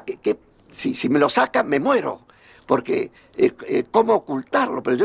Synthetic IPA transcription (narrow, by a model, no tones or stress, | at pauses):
keke | sisime̞lo̞sakame̞mwe̞ɾo̞̰ | po̞ɾkḛ | eko̞moːkult̪aɾlo̞pe̞ɾoʝo